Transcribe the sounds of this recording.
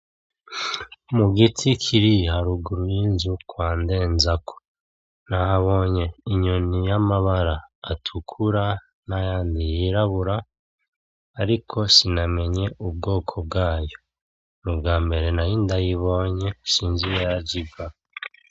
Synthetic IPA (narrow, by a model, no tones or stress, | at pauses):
muɡitʰikʰiɾihaɾuɡuɾujinzukwaːnde̞ːnzakʰo̥ | nahaβo̞ːɲe̞iɲonijamaβaɾaːtʰukʰuɾa | najaːndijiɾaβuɾa | ɾikʰo̞siname̞ɲe̞ʔub̚ɡo̞ːkʰo̞b̚ɡaːjo̞ | nubɡaːmbe̞ɾe̞najiːndajiβo̞ɲe̞siːnzijejaɟiɡa